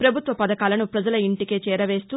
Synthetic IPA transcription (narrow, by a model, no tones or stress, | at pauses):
pɾɐbʱut̪ʋɐpɐd̪ɐkaːlɐnupɾɐd͡ʒɐlɐiɳʈike̞ːt͡ʃɛːɾɐʋe̞ːst̪uː